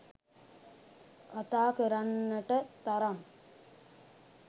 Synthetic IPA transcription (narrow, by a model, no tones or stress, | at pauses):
kat̪aːkəɾanːəʈət̪ɐɾɐm